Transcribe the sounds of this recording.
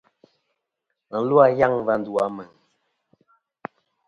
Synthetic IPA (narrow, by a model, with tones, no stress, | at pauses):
ŋ̩˨lwa˦˨ja˦ŋva˨n˦du˨a˦mɛ˨ŋ